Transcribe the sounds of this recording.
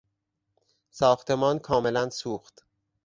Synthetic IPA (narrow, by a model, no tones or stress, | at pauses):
sɒːxt̪ʰe̞mɒːnkʰɒːme̞lænsuːxt̪